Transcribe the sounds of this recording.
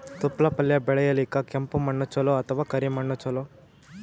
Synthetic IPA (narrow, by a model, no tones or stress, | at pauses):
t̪upːlɐpɐljɐbɛɭɐjɐlikːɐkempumɐɳːɐt͡ʃɐloɐt̪ʰɐʋaːkɐɾimɐɳːɐt͡ʃɐlo